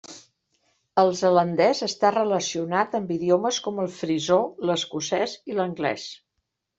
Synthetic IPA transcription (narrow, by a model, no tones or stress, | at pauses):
əlˠzələnd̪ɛzəst̪arələsiunat̪əmbiðioməskɔməlˠfɾizoləskusɛziləŋɡlɛ̰s